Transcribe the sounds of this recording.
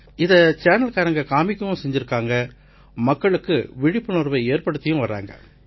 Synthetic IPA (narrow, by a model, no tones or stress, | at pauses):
ɪðɐt͡ʃeːnɐlkaːɾɐŋɡɐkaːmɪkːɯmʊ̃sɛɲd͡ʒɪɾɯkːaːŋɡɐ | mɐkːɐɭɯkːɯ̰ʋɪɽɪpːɯnɔɾʋɐɪeːɾpɐɽɯt̪ːɪjʊ̃ʋɐɾːa̰ːŋɡɐ̰